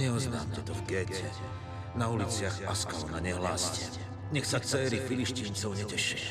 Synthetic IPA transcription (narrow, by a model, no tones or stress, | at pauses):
ɲɛɔznaːmcɛt̪ɔvɡɛːcɛ | naulit͡sɪaɣaskalɔnaɲɛɦlaːscɛ | ɲɛxsat͡sɛːɾifiliʃciːnt͡sɔʊɲɛcɛʃi̥